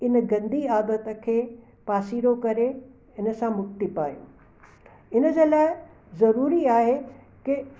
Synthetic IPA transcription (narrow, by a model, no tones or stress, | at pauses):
ɪnəɡɐ̃nd̪iaːd̪ət̪ə̆kʰeː | paːsiːɽokɐɾe | ɪnə̆sãmʊkt̪ipa̰ːjṵ̃ː | ɪnə̆d͡ʑeːlaːɪ | zɐɾuːɾiaːɦe | kɪ